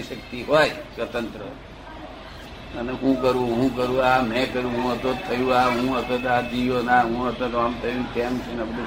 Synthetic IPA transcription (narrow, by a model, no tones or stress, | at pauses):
iʃək̚t̪iɦojsʋət̪ənt̪ɾə̰ | əneɦũkəɾũɦũkəɾũamɛ̃kəɾũɦũət̪ot̪ʰːəjũaɦũət̪ət̪ad͡ʒijonaɦũət̪ot̪oamt̪ʰəjũnkɛmt͡ʃʰenebəd̪ʱu